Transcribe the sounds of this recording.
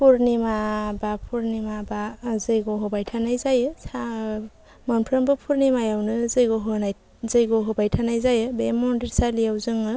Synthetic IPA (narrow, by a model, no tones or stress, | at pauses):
pʰuɾnimabapʰuɾnimabazɯjɡoɦɔbajtʰanajzajɯsa | manpʰɾɯmbɯpʰuɾnimajawnɯzɯjɡoɦonaj | zɯjɡoɦɔbajtʰanajzajɯbemɔndiɾsaliawzɯŋɯ